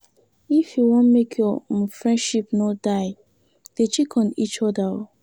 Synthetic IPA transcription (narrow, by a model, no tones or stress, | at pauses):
ifjuwõnmekʰjɔfɹɛ̃ndʃipnodaɪ | d̥et͡ʃikʰɔ̃nit͡ʃɔdao